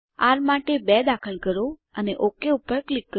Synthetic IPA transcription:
aɾmaʈebɛd̪akʰəlkəɾoəneʔokeupːəɾklikːə

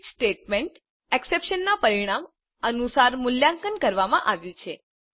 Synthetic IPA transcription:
sʈeʈmeɳʈ | eksepʃənːapəɾiɽ̃am | ənusaɾmʊljaŋkənkəɾʋamã̰ʔaʋjũt͡ʃʰe

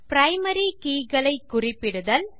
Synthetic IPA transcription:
pɾɐɪmɐɾikiːɣɐɭɐɪkːʊrɪpːɪɽɯðɐl

